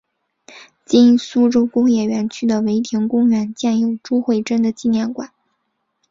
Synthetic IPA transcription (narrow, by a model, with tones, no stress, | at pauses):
t͡ɕi˥˧su˥ʈ͡ʂo˥ʊkʊ˥ŋjɛ˥˩ɥɛ˧˥nt͡ɕʰy˥d̪ə˨we˧˥ɪt̪ʰjɛ˧˥nkʊ˥ŋɥɛ˧˥nt͡ɕjɛ˥˧njo˥˩ʊʈ͡ʂu˥xwe˥˩ɪʈ͡ʂə˥nd̪ə˨t͡ɕi˥˧njɛ˥˩nkwa˨˩˦n